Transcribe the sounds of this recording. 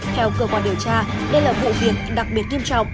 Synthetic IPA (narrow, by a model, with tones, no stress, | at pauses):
t̪ʰɛ˧wkəː˧kwaː˧˩nɗi˨˩əwt͡ɕaː˧ɗə˧jlaː˨˩vṵ˧˨vḭ˧˨ənɗa˨˩k̚ɓi˨˩ət̚ɲi˧əmt͡ɕɔ̰˧˨wŋ͡m